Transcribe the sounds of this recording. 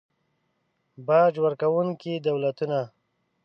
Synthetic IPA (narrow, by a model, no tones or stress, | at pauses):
bɑːd͡ʒwəɾkawuŋkid̪awlat̪una